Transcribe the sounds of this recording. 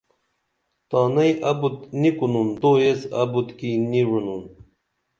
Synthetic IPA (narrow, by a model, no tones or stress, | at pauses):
t̪ɑːnɐjʔɐbut̪nikunund̪oesɐ̰but̪kiniɻunun